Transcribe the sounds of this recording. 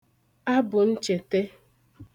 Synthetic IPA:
a˦bʊ˨n̩˦t͡ʃe˨te˦

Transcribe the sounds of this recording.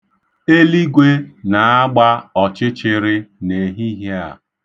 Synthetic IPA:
e˦li˦ɡʷe˦na˨a˦ɡ͡ba˦ɔ˨t͡ʃɪ˦t͡ʃɪ˦ɾɪ˦ne˨ɦi˦ɦe˦a̰˨

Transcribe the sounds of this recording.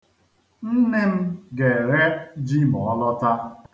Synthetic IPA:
n̩˦ne˦m̩˦ɡe˨ɾe˦d͡ʒi˦m˨ɔ˦lɔ˦ta˦

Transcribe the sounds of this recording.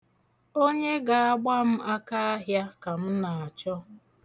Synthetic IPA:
o˦ɲe˦ɡa˨a˦ɡ͡ba˦m̩˦a˦ka˦a˦ɦja˦ka˨m̩˦na˨a˨t͡ʃɔ˦

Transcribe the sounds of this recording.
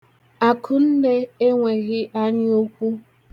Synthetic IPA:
a˨kʰʊ˨n̩˦de˦e˦ŋʷe˨ɣɪ˦ʔa˦ɲɪ˦o˦kʷu˦

